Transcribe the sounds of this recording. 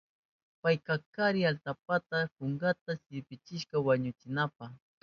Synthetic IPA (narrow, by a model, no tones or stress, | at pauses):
pajkakaɾɪalt̪ap̚at̪apʊŋɡat̪asɪɾpɪt͡ʃɪʃkawaɲʊt͡ʃɪnap̚ax